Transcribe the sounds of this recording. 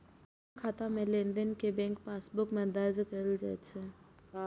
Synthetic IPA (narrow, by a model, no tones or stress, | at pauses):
kʰaːt̪amẽlẽnd̪ənkebɛ̃ːŋkpaːsbʊkmẽd̪aːd͡ʒkəld͡ʒɛt̪t͡ʃʰɛ